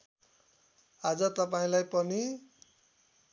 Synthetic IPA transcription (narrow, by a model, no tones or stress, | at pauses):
ad͡zʌt̪ʌpaĩlajpʌni